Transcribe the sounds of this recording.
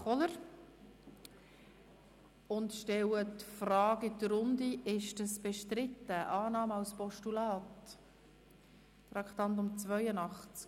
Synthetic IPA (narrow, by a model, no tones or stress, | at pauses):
ɔləɾ | ʊntʃtɛlətfrɑːɡidərʊnd̪iɪʃdəsb̥eʃtɾɪtːəʔɑːnɑːmɑlspɔʃtulɑːt | rɑkχt̪ɑnt̬ʊmt͡svœʏənɑχt͡sk